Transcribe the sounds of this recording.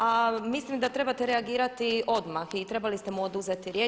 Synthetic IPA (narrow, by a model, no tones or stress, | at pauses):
amislimd̪at̪ɾe̞bat̪eɾeaɡiːɾat̪iʔo̞d̪maxit̪ɾe̞balist̪e̞muod̪uzet̪iɾjeː